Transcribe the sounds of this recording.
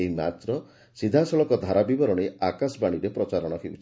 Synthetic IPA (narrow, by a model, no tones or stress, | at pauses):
eɦima̰t̪ɾɔ | sid̪ʱasɔlɔkɔd̪ʱaɾabibɔɾɔɽ̃eakasbaɽ̃iɾepɾɔt͡ʃaɾɔɽ̃ɔkʰebut͡ʃʰi